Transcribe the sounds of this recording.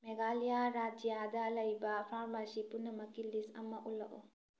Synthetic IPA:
meɡalijaɾad͡ʒijadɐlɐjbɐpʰaɾmasipunːɐmɐkilisɐmaʔulɐ̰ʔɔ

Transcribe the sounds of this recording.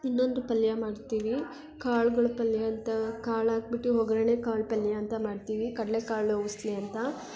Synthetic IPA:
inːo̞nd̪upɐljɐmaːɖt̪iːʋi | kaːɭɡɐɭupɐljaːnt̪ɐkaːɭaːɡ̚biʈːuɦoɡɾeːne̞ːkaːɭpɐljaːnt̪ɐmaːɖt̪iːʋikɐɽlekaːɭoʋust̪leɐnt̪ɐ

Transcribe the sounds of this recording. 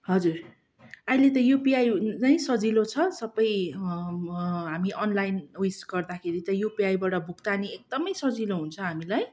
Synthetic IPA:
ɦʌd͡zur | ajlet̪ʌjupiajt͡saĩsʌd͡zilot͡sʰʌsʌbʌj | ɦamiʔʌnlajnujsɡʌrd̪akʰeɾit̪ʌjupiajbaʈʌbʱukt̪aniek̚d̪ʌmʌjsʌd͡ziloɦunt͡sʰʌɦamilaj

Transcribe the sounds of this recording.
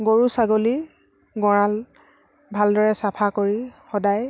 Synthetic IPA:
ɡoɹusaɡoli | ɡɔɹãl | bʱaldɔɹɛsapʰakoɹixɔdaj

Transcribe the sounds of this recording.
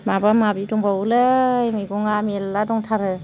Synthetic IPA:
mabamabidɔŋbawlɯjmɯjɡɔŋamelːadɔŋtʰaɾɯ

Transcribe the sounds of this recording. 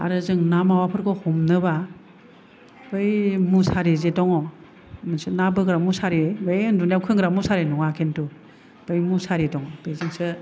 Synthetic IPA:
a̰ɾɯzɯŋnamawapʰɯɾkɔhɔmnɯba | bɯjmusaɾezetɔŋɔ | mɯnsɯnabɯɡɾamusaɾebejɯndunjawkʰɯŋɡɾamusaɾenuŋakʰentu | b̥ɯjmusaɾetɔŋɔb̥ezɯŋsɯ

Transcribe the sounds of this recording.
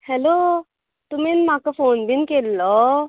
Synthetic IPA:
hɛlo | t̪uminmakɔfoːnbʱinkelːɔ

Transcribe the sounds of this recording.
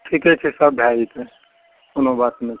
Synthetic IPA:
ʈʰikɛt͡ʃʰisəbbʱjait̪ʰe | onobat̪me

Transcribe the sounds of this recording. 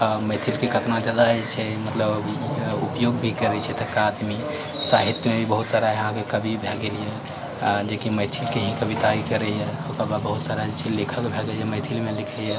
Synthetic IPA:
məɪt̪ʰilkekʰət̪nad͡ʒad̪at͡ʃʰɛmət̪ləb | upjoɡbʱikəɾɛt͡ʃʰɛt̪əkaːd̪mi | saɦit̪jəmebʱibəɦut̪saɾaɦɛɦãkekəbʱibʱeɡelije | d͡ʒekiməɪt̪ʰilkeɦĩkəbit̪aikəɾɛjɛokababəɦut̪saɾad͡ʒet͡ʃʰilikʰəkbʱeɡelieməɪt̪ʰilmelikʰɛje

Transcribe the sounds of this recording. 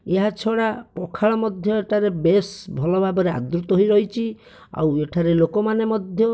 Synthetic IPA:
eɦat͡ʃʰɔɽapɔkʰaɭɔmɔd̪ʱjɔeʈʰaɾebesbʱɔlɔbʱabɔɾea̰d̪ɾut̪ɔɦoijɾɔɦit͡ʃʰi | a̰weʈʰaɾelokɔmanemɔd̪ʱjɔ

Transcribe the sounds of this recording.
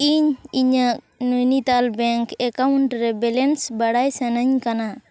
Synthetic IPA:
iɲiɲək̚ | nujnit̪albɛŋkɛkawuɳʈɾɛbɛlɛnsbaɽajsənəɲkana

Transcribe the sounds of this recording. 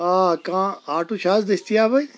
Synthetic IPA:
aːkãːaːʈũːʃaːzd̪ɪst̪ijaːbai

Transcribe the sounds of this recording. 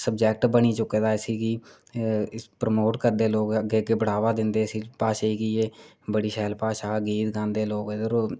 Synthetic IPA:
səbd͡ʒɛːk̚ʈbəñiːt͡ʃʊkːeːd̪aːsiːkiː | pɾəmoːʈkəɾd̪eːloːkəɡeːəɡeːbəɽ̤aːʋaːd̪ɪnd̪eːəsiːpaːʃeːiːkieː | bəɽiːʃɛːlpaːʃaːɡiːt̪ɡãːnd̪eːloːkɪd̪əɾo

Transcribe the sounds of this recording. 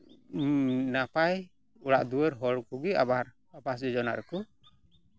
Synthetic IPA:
napaj | uɾaʔd̪uwɛɾɦɔɽkuɡiabaɾ | apas̬ɛd͡ʒɔna̰ɾɛku

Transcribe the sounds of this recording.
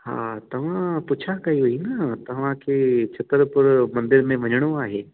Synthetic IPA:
ha̰ːt̪ɐʋ̤ãpʊt͡ʃʰakɐɦiɦuinɐt̪ɐʋ̤ãkʰet͡ʃʰɐt̪əɾpʊɾmɐ̃nd̪ɪɾmẽʋɐɲɽ̃oaːɦeː

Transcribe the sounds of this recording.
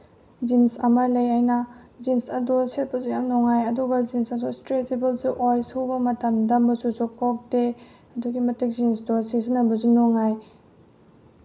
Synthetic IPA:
zinsɐmɐlɐjajnɐzinsɐdoset̚pɐzujamnɔŋajɐduɡɐzinsɐsustɾesebelsuʔojsubɐmɐtɐmdɐmbɐsuzukɔk̚de | ɐduɡimɐtik̚zinsdɔsizinɐbɐzunɔŋaj

